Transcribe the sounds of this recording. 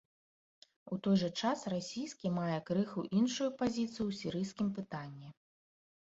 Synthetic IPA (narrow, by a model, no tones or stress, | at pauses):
ut̪ɔjʐɐt͡ʂasrasʲijskʲimajɛkɾɨxuʔinʂujupazʲit̪sɨjuwsʲiɾɨjskʲimpɨt̪anʲːɛ